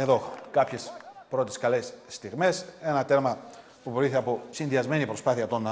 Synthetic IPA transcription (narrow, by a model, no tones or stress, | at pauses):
eðo̞kɐpçe̞spɾo̞t̪e̞skɐle̞sːt̪iɣme̞se̞nɐt̪e̞ɾmɐ | pupɾoiθeɐpo̞sinðiɐzme̞nipɾo̞spɐθiɐt̪o̞n